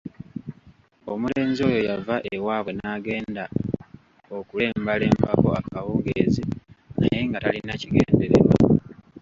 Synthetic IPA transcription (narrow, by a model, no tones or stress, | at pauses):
o̞mule̞ːnzio̞ːjo̞javaʔewaːβwe̞naːɡe̞ːnda | o̞kule̞ːmbale̞ːmbako̞̰akawuːŋɡeziajeŋɡatalinaciɡe̞̰ːndeɾḛβwa̰